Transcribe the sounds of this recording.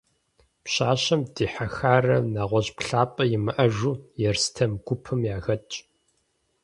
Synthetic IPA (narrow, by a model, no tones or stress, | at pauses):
pɕaːɕɐmdiːħaxaːrɐnaːʁʷɔʑpɬaːpʼɐjɪmɨʔɐʒuːjɛrstʰɐmɡʷʊpʰɨmjaːɣɐt͡ʃʼ